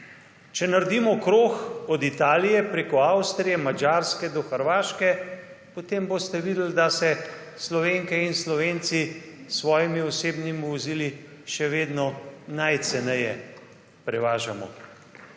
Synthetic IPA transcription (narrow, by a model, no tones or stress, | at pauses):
t͡ʃɛnaɾd̪iːmɔkɾoːxɔd̪it̪aːlijɛpɾeːkɔawst̪ɾijɛmad͡ʒaːɾskɛd̪ɔxəɾʋaːʃkɛpɔt̪embost̪ɛʋiːd̪əld̪asɛ | slɔʋeːŋkɛinslɔʋeːnt̪sisʋɔːjimiɔseːbnimiʋɔziːli | ʃɛʋeːd̪nɔnajt̪sɛnɛjɛ | pɾɛʋaːʒamɔ̰